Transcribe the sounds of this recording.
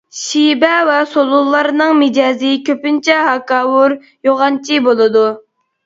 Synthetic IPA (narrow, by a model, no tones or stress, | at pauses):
ʃibɛvɛsolˠulˠːɑɾnɨŋmɪd͡ʒɑːzɨkʲʰøpynt͡ʃʰɛɦɑkɑːwuɾ | joʁɑnt͡ʃʰibolˠɨd̪u